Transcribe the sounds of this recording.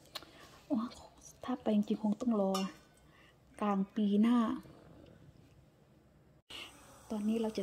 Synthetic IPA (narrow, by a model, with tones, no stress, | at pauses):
ʔɔ˧˦t̪ʰaː˧˥˩pːa˨jŋt͡ɕi˧ŋkʰɔː˧˦ŋt̪ɔ˥˨ŋlɔː˧˩ | kaː˨˩ŋpiː˨˩naː˥˩ | t̪ɔː˧nːiː˧˥˨ɾa˧˩wt͡ɕa˧˨